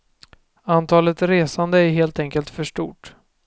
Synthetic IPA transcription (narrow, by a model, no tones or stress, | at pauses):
ant̪ʰɑːlət̪ɾeːsand̪əæɾɦeːlt̪ɛŋkəlt̪fœʂʈṵːʈ